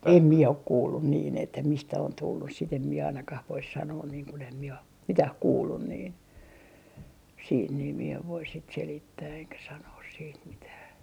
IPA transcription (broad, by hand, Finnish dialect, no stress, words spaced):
em mie ok kuːlːun niːn etːæ mistæ on tulːus sit em mie ɑinɑkɑh ʋois sɑnoːn niːŋ kun em mie om mitæh kuːlːun niːn siːt niː mie eʋ ʋoi sit selitːæː eŋkæ sɑnoːs siːt mitæː